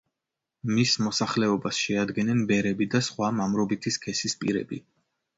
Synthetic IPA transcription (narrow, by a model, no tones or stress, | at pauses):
mismɔsaχlɛɔbasʃɛad̪ɡɛnɛnbɛɾɛbid̪asχwamamɾɔbit̪ʰiskʰɛsispʼḭɾɛ̰bi